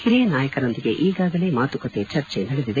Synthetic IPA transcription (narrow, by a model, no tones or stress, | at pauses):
hiɾijɐnaːjɐkɐɾo̞nd̪iɡe̞ʔiːɡaːɡɐle̞ːmaːt̪ukɐt̪et͡ʃɐɾt͡ʃenɐɽed̪id̪e